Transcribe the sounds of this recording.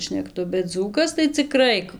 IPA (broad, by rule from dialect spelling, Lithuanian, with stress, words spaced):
ʃʲnʲɛkˈtʊ bʲɛt ˈd͡zuːkɐs tɐɪ t͡sʲɪˈkrɐɪ